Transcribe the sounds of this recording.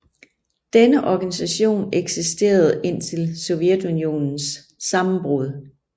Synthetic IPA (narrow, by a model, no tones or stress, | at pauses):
d̥enəʔɒɡ̥ænisæɕo̝̰ːneɡ̥sisd̥e̝̰ːɐð̞̩ˠe̝n̰t͡sʰe̝lsɔ̽ʊʋjed̥unio̝̰ːnn̩sː | ɑ̈mm̩b̥ʁoð̞ˠ